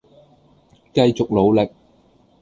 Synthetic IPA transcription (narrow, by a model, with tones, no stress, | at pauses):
kɐ˧jt͡sʊ˨k̚lo˨˧wlɪ˨k̚